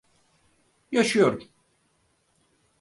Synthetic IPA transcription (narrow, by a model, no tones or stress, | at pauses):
jaʃɯjoɾum